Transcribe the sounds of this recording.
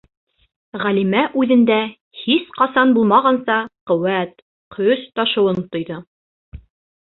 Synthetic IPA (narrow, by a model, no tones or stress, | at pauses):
ʁælimæʔʉðɘ̆nd̪æ | hisqɑsɑnbulˠmɑʁɑnsɑqŏwæt̪ | qʰɵst̪ɑʃɤ̆wɤnt̪ŏjðɤ